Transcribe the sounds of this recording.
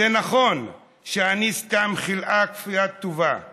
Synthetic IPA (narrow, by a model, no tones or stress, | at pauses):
enaχo̞n | ʃeaniskamχilʔakfijat̪ːuva